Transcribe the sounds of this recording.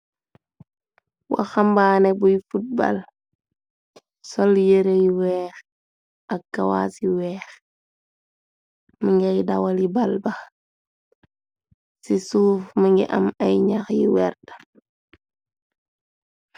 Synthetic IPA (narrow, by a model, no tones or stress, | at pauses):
wa̰xambaːnɛbujfut̚ba̰l | sɔljeɾejiwɛːx | ɐk̚ɡawa̰ːsiwɛːx | miŋɡajdawalibalbɐ | sisuːfmiŋɡḭʔɐ̰mɐjɲaxjḭwɛ̰rdḁ